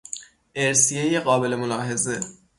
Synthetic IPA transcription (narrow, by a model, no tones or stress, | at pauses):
ʔeɾsijejeɣɒːbe̞le̞molɒːɦeze